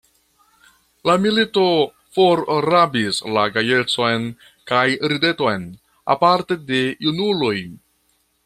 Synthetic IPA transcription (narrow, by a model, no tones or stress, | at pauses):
lamilito̞ | foɾɾabislaɡaje̞t͡so̞jn | kajɾide̞to̞jn | a̰paɾte̞de̞junuloj